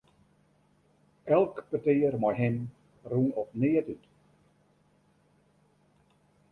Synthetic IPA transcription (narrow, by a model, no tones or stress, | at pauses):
ɛlˠkpətɪːərmɔjɦɪm | runɔpnɪətyt